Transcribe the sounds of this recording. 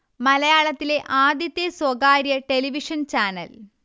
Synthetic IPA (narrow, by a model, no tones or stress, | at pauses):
mɐlɐjaːɭɐt̪ːile̞ʔaːd̪jɐt̪ːjeswɐɡaːɾjɐʈeliʋiʂɐnt͡ɕaːnɐ̰l